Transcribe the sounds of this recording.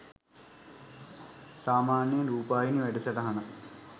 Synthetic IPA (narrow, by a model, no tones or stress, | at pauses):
saːmaːnjɐɾuːpaːjiniʋeɖusɐʈɐɦɐnɐ